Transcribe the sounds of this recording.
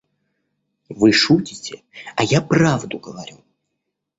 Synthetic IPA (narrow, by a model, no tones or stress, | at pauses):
vɨʂutʲɪ̥tʲɪ | ɐjapravd̪ʊɡəvɐɾʲu